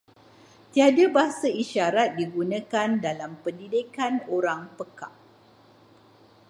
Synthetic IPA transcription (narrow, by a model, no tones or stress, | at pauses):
t̪iadabaɦasaiʃaɾat̪̚diɡunə̃kandalampəndidikanoɾaŋpəka̰ʔ